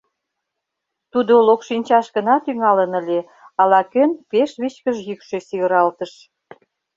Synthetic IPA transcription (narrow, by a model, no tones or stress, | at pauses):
t̪ud̪olokʃinʲt͡ɕɑʃɣə̆nɑt̪yŋɑlə̆nə̆lʲe | ɑlɑkønpeʃβit͡ɕkəʒjykʃesiɣə̆ɾɑlt̪əʃ